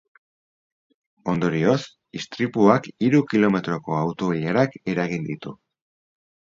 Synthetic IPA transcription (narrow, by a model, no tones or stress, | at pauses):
o̞nd̪o̞ɾio̞s | ist̪ɾipuakiɾukilo̞me̞t̪ɾo̞ko̞awt̪o̞βiʎaɾake̞ɾaɣind̪it̪u